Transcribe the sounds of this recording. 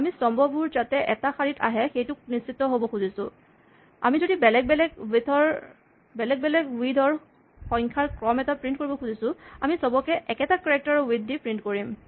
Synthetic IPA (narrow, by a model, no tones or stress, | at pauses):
amisɔmbʱɔbuɹzatɛʔɛtaxaɹitʰa̰ɦɛxejtʊk̚nisitːɔɦobɔkxuzisʊ̰̃ | a̰mizodibɛlɛɡ̚bɛlɛɡidʱɔɹ | bɛlɛɡ̚bɛlɛɡwidʱɔɹ | xɔ̃ŋkʰaɹkɹɔmɛtapɹint̚koɹibɔxuzisʊ̃amisɔbɔkɛʔɛkɛtakiɹɛk̚tɔɹɔwidːipɹintkoɹim